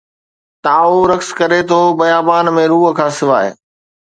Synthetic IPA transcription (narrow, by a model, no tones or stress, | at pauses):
t̪aːoɾɐkskɐɾet̪ʰoːbɐjaːbaːnmẽɾuːɦə̆kʰãːsɪʋaːḛ